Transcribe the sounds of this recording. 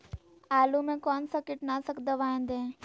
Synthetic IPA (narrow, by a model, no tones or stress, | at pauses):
aːlumẽkɔːnsakɪʈnasəkd̪əʋaːɪ̃nd̪ẽː